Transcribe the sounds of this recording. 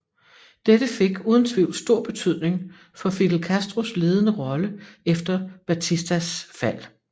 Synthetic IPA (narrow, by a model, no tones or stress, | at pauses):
d̥ed̥əfe̝ɡ̥uːð̞ˠən̩t͡sʰʋḭʊ̰lsd̥o̝ɐ̰b̥e̝t͡sʰyð̞̰ˠne̝ŋ | fɒ̽fid̥l̩kʰæsd̥ʁo̝sle̝ːð̞ˠnəʁɒ̽ləefd̥ɐb̥æt͡sʰisd̥æsfæl̰